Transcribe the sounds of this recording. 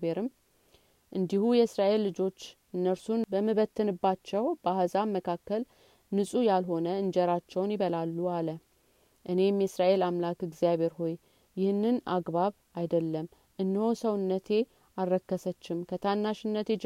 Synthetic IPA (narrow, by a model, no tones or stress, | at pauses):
eɾɨm | ʔɨnd̪ihujɛɨsɾaʔe̞lːɨd͡ʒo̞t͡ʃː | ɨnːəɾsunbəmːɨβət̪ʰːɨnɨbːat͡ʃːɛwbaɦhəzaməkʰakːəl | nɨsʼujalɦo̞nəɨnd͡ʒɛɾat͡ʃːɛwnjɪβəlalːualə | ʔɨne̞mjɛsɾaʔe̞lamlakɨɡzjaβe̞ɾɦo̞j | jɪhɨnːɨnaɡβaβ | ajd̪əlːəm | ʔɨnːɨhosəwɨnːət̪ʰe̞ | arːəkːəsət͡ʃːɪmkʰət̪ʰanːaʃɨnːət̪ʰe